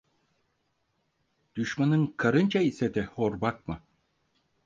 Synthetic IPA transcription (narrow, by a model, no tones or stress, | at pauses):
d̪̥yʃmanɯŋkʰaɾɯnt͡ʃaiset̪ɛhoɾbak̚mɯ